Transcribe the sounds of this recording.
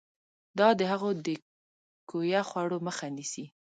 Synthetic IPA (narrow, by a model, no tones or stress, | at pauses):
d̪ɑd̪əɦaɣod̪ə | kojaxwɑɽoməxanisi